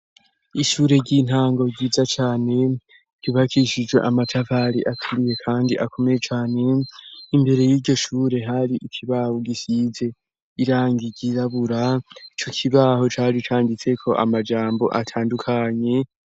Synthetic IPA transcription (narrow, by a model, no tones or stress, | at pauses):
iʃuːɾe̞ɾɟin̥haːŋɡo̞ɟiːzat͡ʃaːne̞ | ɟ̥iβakʰiʃid͡ʒɡwe̞̰ʔamatʰavaɾiʔatʰuɾije̞kʰaːndiʔakʰo̞me̞je̞t͡ʃaːne̞imbe̞ɾe̞jiːɟo̞ʃuːɾe̞ɦaɾiʔikʰiβaːhoɡisize̞ | iɾaːŋɡiɟiɾaβuɾait͡ʃo̞kʰiβaɦo̞t͡ʃaːɾit͡ʃaːndit͡se̞kʰo̞ʔa̰mad͡ʒaːmbo̞̰ʔatʰaːndukʰaɲe̞